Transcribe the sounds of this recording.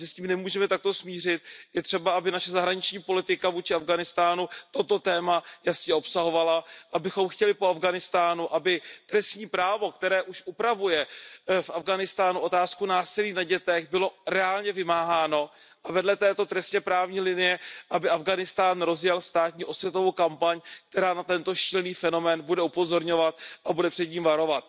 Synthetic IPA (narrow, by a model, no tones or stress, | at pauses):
sɪsciːmnɛmuːʒɛmɛt̪ak̚t̪o̞smiːr̝ɪt̪̚jɛt̪r̥ɛbaabɪnaʃɛzaɦɾaɲɪt͡ʃɲiːpo̞lɪt̪ɪkavuːt͡ʃɪavɡanɪst̪aːnut̪o̞t̪o̞t̪ɛːmajasɲɛo̞psaɦo̞valaʔabɪxo̞mxcɛlɪpo̞avɡanɪst̪aːnuʔabɪt̪ɾɛst̪ɲiːpɾaːvo̞k̚t̪ɛɾɛːʔuʃʔupɾavujɛfʔavɡanɪst̪aːnuʔo̞t̪aːskunaːsɪliːnaɟɛt̪ɛɣbɪlo̞ɾɛaːlɲɛvɪmaːɦaːno̞ | ʔavɛdlɛt̪ɛːt̪o̞t̪ɾɛst̪ɲɛpɾaːvɲiːlɪnɪjɛʔabɪʔavɡanɪst̪aːnɾo̞zjɛlst̪aːt̪ɲiːʔo̞svjɛt̪o̞vowkampaɲk̚t̪ɛɾaːnat̪ɛnt̪o̞ʃilniːfɛno̞mɛːnbudɛupozo̞ɾɲo̞vat̪ʔabudɛpr̥ɛd̪ɲiːmvaɾo̞vat̪̚